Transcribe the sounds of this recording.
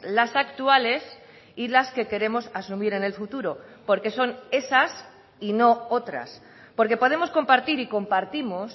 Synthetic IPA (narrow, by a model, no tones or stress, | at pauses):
lasakt̪uale̞s | ilaske̞ke̞ɾe̞mo̞sasumiɾe̞ne̞lfut̪uɾo̞po̞ɾke̞so̞ne̞sas | ino̞ot̪ɾa̰s | po̞ɾke̞po̞ðe̞mo̞sko̞mpaɾt̪iɾiko̞mpaɾt̪imos